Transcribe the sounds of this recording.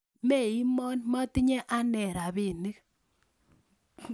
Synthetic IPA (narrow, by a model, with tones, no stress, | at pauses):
me˦˨i˦mɔ˦nma˦ti˦ɲɛ˦ʔa˦nɛ˨ɾa˨pe˨ni˦k